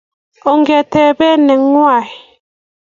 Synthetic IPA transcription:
o˨ŋɡɛ˨tɛ˨bɛ˦nɛ˨ŋwa˦˨j

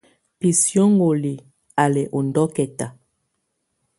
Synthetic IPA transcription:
pi˨sjo˦ŋ˦ɡo˨li˨ | a˨lɛ˨ʔo˨ndɔ˦kɛ˨ta˨

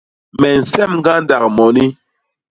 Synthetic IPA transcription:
mɛ˨n̩˨sɛ˦˨mŋɡa˦nda˨k̚mɔ˨ni˦

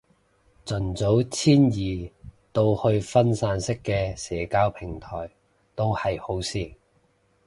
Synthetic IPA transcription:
t͡sɵ˨˩nt͡so˨˥wt͡sʰiː˥njiː˨t̪o˧whɵ˧ɥfɐ˥nsaː˧nsɪ˥kːɛː˧sɛː˨˥kaː˧˥wpʰɪ˨˩ŋt̪ʰɔ̰ː˨˩j | t̪o˥whɐ˨jho˨˥wsiː˧

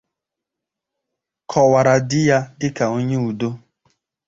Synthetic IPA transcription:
kʰɔ˨wa˨ɾa˨dɪ˦ja˦dɪ˦ka˨o˦ɲe˦u˨do˦

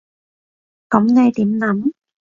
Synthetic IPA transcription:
kɐ˨˥mnɛ˨˧jt̪iː˨˥mnɐ˨˥m

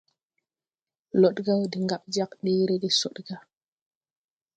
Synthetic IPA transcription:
lo˨ɗɡa˦wdi˨ŋɡa˨ɓ̚d͡ʒa˦kɗiː˦ɾe˦di˦so˨ɗɡa˦

